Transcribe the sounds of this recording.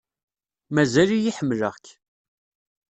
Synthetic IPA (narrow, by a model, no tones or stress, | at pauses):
mæzælijiħəmːləʁç